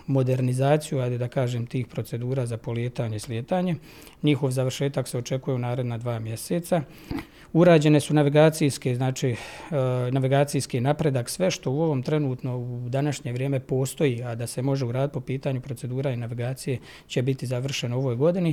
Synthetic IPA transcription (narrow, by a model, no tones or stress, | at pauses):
mo̞d̪e̞ɾnizaːt̪sijuajd̪ed̪akaːʒeːmt̪iːxpɾo̞t̪se̞d̪uːɾaːzapo̞ljeːt̪aːɲe̞isljet̪aːɲe̞ | ɲixo̞ʋzaʋr̩ʃeːt̪akseot͡ʃe̞kuje̞unaːɾe̞d̪nad̪ʋaːmje̞seːt̪sa | uɾaːd͡ʑe̞ne̞sunaʋiɡaːt̪sijskeznaːt͡ʃiː | naʋiɡaːt̪sijskinapɾe̞d̪aksʋe̞ʃt̪o̞uo̞ʋo̞ːmt̪ɾe̞nuːt̪no̞ud̪anaʃɲe̞ʋɾjeːme̞po̞ːst̪o̞jiːad̪ase̞mo̞ʒe̞uɾaːd̪it̪popiːt̪aːɲupɾo̞tse̞d̪uːɾainaʋiɡaːt̪sije̞ | t͡ɕe̞bit̪izaʋr̩ʃe̞noo̞ʋojɡo̞d̪ini